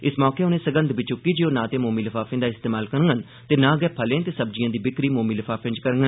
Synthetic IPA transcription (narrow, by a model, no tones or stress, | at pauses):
ɪsmɔːkeːʊnẽːsəɡə̃nd̪biːt͡ʃʊkːiːd͡ʒeːoːnãːt̪eːmoːmiːləfʰaːfʰẽːd̪aːɪst̪eːmaːlkəɾəŋɡən | t̪eːnãːɡɛːpʰəlẽːt̪eːsəbd͡ʒɪjãːd̪iːbɪkɾiːmoːmiːləfʰaːpɪ̃d͡ʒkəɾŋɡən